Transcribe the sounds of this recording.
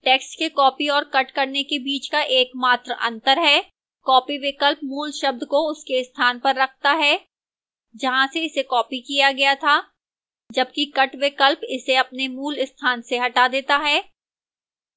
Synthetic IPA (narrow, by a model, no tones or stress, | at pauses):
ʈɛːksʈkekɔːpiɔːɾkɐʈkɐɾnekebiːt͡ʃkaʔeːkmaːt̪ɾʔɐ̰̃nt̪əɾɦɛː | kɔːpiʋɪkəlpmuːlʃɐb̚d̪koʊskeɪst̪ʰaːnpɐɾːɐk̚ʰt̪aɦɛː | d͡ʒɐɦãseɪsekɔːpikijaɡɐjat̪ʰaː | d͡ʒɐb̚kikɐʈʋɪkəlpɪseɐpnemuːlɪst̪ʰaːnseɦɐʈad̪eːt̪aɦɛː